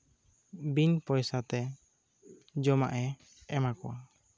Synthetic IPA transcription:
binpɔjsat̪ɛ | d͡ʒɔma̰ʔɛ | ɛmakɔwa

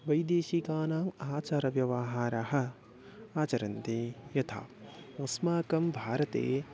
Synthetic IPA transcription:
ʋɐjd̪eːʃikaːnaːmaːt͡ʃaːɾɐʋjɐʋaɦaːɾɐɦɐ̆ | aːt͡ʃɐɾɐnt̪eːjɐt̪ʰa̰ːɐsmaːkɐmbʱaːɾɐt̪ḛː

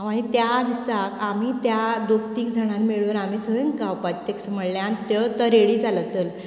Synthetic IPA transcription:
aɽ̃it̪jad̪isakam̤iːt̪jad̪okt̪iːkd͡zʱəɽ̃almiɭuːnam̤iːt̪ʰəəŋkawpat͡ɕt̪eksəməɽljant̪ət̪əɾeɽiːd͡zalət͡səl

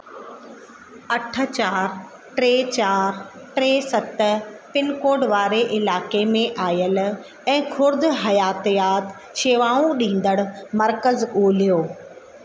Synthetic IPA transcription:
ɐʈʰə̆t͡ɕaːɾ | ʈɾeːt͡ɕaːɾ | ʈɾeːsɐt̪ə̆pɪnkoːɖʋaːɾeʔɪlaːkemẽʔaːjəl | ɛ̃ːkʰʊɾd̪ɦɐjaːt̪ijaːt̪ | ʃeːʋaːũɗĩːn̆d̪əɽ̃ʊ̆mɐɾkəzoːlijoː

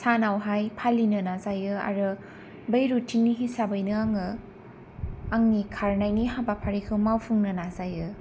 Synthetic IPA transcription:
sanawɦajpʰalːinɯnazajɯa̰ɾɯ | bejɾutinniɦisabɯjnɯaŋɯ | aŋnikʰaɾnajniɦabapʰaɾikʰɯmawpʰuŋnɯnazajɯ

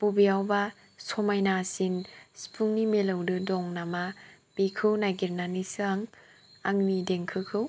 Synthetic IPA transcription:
pubiawba | sɔmajnasinspʰuŋnimelɯwdɯdɔŋnama | pikʰɯwnajɡiɾnanisɯaŋ | aŋmideŋkʰɯkʰɯw

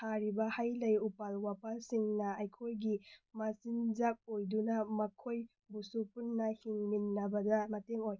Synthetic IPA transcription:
tʰaɾibɐhajlɐjupalwapasiŋnɐːjkʰojɡimasinzak̚ojdunɐmɐkʰoj | busupunːɐhiŋminːɐbɐdɐmɐteŋoj

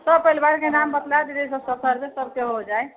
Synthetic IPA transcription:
səb̚pəjlbaɾkenambət̪lad̪id̪esəbsət̪ʰəɾbesəb̚keɦod͡ʒaj

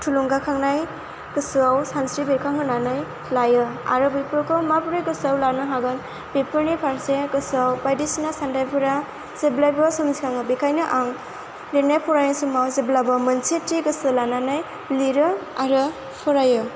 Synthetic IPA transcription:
tʰuluŋɡakʰaŋnaj | ɡ̥ɯsɯawsansɾibekʰaŋɦɯnanaj | lajɯa̰ɾɯbipɯɾkʰɔmapuɾɯjɡɯsawlanɯɦaɡɯn | bepɯɾnipʰaɾseɡɯsawbajdisinasandajpʰuɾa | z̥eblajbɔsɔmzikʰaŋɯbekʰajnɯʔaŋ | liɾnajpʰɔɾajnsumawzeblabamɐnt͡ʃetːiɡɯsɯlananaj | liɾɯaɾɯ | pʰɔɾajɯ

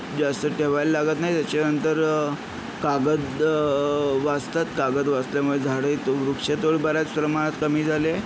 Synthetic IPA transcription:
d͡zast̪əʈʰeʋajllaɡət̪najt̪jat͡ɕanənt̪əɾ | kaɡəd̪ | ʋast̪at̪kaɡəd̪ʋast̪ljamuɭed͡zʱaɽəjt̪oʋɾukʂet̪oɭibəɾjat͡spɾəmaɽ̃at̪kəmiːd͡zʱale

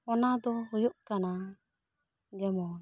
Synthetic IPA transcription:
ɔnad̪ɔhujuʔtana | ɡɛmɔ

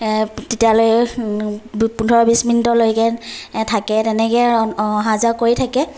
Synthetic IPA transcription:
tetijaloj | pundʱɔɹɔbisminitɔlojkɛtʰakɛtɛnɛkɛɦazakoɹitʰakɛ

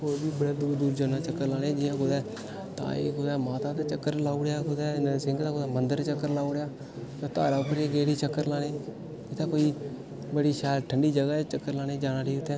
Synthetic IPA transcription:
oːbiːbəɽaːd̪uːɾd̪uːɾd͡ʒaːnaːt͡ʃəkːəɾlaːɽẽːd͡ʒɪjãːkʊd̪ɛː | t̪a̰ːḛːkʊd̪ɛːmaːt̪aːt̪et͡ʃəkːəɾlaːuɽjaːkʊd̪ɛːnasɪŋɡt̪aːkʊd̪ɛːmənd̪əɾt͡ʃəkːəɾlaːoɽejaː | jat̪a̰ːɾaːʊpːəɾeːɡeːɽiːt͡ʃəkːəɾlaːɽeː | ɪt̪ʰaːkoːiː | bəɽiːʃɛːlʈʰəɳɖiːd͡ʒəɡaːt͡ʃəkːəɾlaːɽeːd͡ʒaːnãːɖiːʊt̪ːɛ̃ː

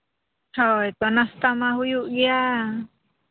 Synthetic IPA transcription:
hojt̪ɔnast̪amaɦujuʔɡia

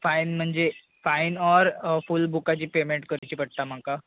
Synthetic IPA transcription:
fainm̤əɳd͡ʑe | fainɔɾfulbʱukat͡ɕiːpemeɳʈkəɾit͡ɕipəɽ̚t̪am̤aka

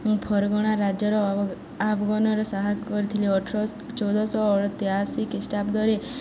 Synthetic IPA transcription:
pʰɔɾɡɔɽ̃aɾad͡ʒjɔɾɔ | abɡɔnɔɾɔsaɦakkɔɾit̪ʰiliɔʈʰɾɔ | t͡ʃɔwd̪ɔsɔːɭɔt̪iɦasikisʈapd̪ɔɾe

